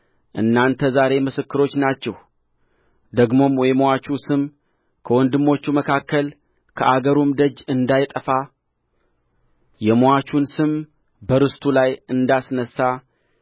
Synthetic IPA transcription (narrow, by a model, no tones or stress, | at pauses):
ʔɨnːant̪ʰəzaɾe̞mɨsɨkːɨɾo̞t͡ʃːnat͡ʃːɛw | d̪əɡmo̞mwɔjmoat͡ʃusɨm | kʰəwɔnd̪ɨmːo̞t͡ʃːuməkʰakːəl | kʰəʔaɡəɾumd̪əd͡ʒɨnd̪ajt̪ʼəfa | jɛmowat͡ʃunsɨm | bəɾɨst̪ʰulajɨnd̪asnəsːa